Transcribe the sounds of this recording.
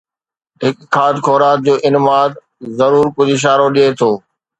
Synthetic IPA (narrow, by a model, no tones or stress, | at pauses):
ɦɪkkʰːaːd̪kʰoːɾaːt̪̚d͡ʑoːʔɪnɪmaːd̪ | zɐɾuːɾkʊd͡ʑʱɪʃ̬aːɾoɗijet̪ʰoː